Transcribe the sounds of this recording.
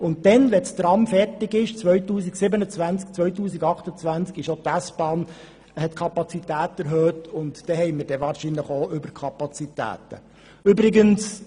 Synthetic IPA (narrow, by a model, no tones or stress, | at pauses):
ʊntdɛnlɛt͡st̪ɾɑmfɛrtɪɡɪʃt͡sʋœɥtuːsiksɪbənət͡svænt͡sk̚t͡sʋœɥtuːsiɡɑχtət͡sʋænt͡skɪʃot̪æsbɑːn | hɛtkʰɑpɑt͡sitæːtɛɾɦøːtʊntd̥ɛhɛjməɾdɛʋɑːɾʃinləχoːʔʏbəɾkʰɑpɑt͡sitæ̰ːt̪ə̰ | ʏbɾɪɡəns